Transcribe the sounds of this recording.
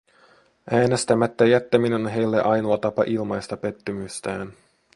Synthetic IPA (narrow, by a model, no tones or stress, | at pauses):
ʔæːnest̪æmæt̪ːæjæt̪ːæminenonɦe̞jlːe̞ʔɑjnuɑt̪ɑpɑ̰ʔilmɑjst̪ɑpe̞t̪ːymyst̪æːn